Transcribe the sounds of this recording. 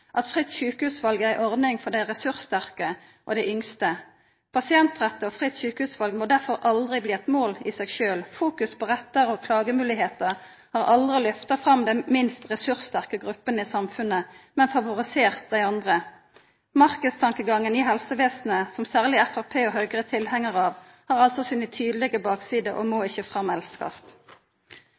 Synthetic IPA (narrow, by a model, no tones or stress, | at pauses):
ʔɑt̪fʁɪt̪sʃʉːkəhʉːsʋɑlɡəæɪʔɔʁd̪nɪŋfɔʁd̪æɪʁɛsʉʁst̪æʁkə | ʔo̰d̪ɛɪʔʏŋst̪ə | pʰɑsɪɛnt̪ʁɛt̪ːəɔːfʁɪt̪sçʉːkəhʉːsʋɑlɡmoːd̪æʁfɔʁʔɑld̪ʁɪbliːɛt̪moːlisɛɡʃøːlfuːkʉspʰɔːʁɛt̪ːəʁɔkʰlɑːɡəmʉːlɪɦeːt̪əʁ | hɑːʁɑld̪ʁɪlʏft̪ɑfʁɑmd̪ɛnmɪnst̪ʁɛsʉʁst̪æʁkəɡʁʉpːənəiːsɑmfʉnəmɛnfɑʋʊʁɪseːʁt̪̚d̪æɪɑnd̪ʁə | mɑʁkəst̪ʰɑŋkəɡɑŋːənɪːɦɛlsəʋeːsn̩əsɔmsæːʁlɪɛfæʁpʰeːɔɦœʏɡəʁət̪ʰɪlhɛŋəʁɑːʋ | hɑːʁɑlt̪sɔsiːnət̪ʰyːd̪lɪɡəbɑːksiːd̪əʔo̰moːɪçəfʁɑmɛlskɑ̰st̪